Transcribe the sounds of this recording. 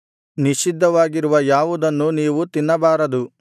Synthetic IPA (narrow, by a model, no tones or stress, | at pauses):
niʃid̪ʱːɐʋaːɡiɾuʋɐjaːʋud̪ɐnːuniːʋut̪inːɐbaːɾɐd̪u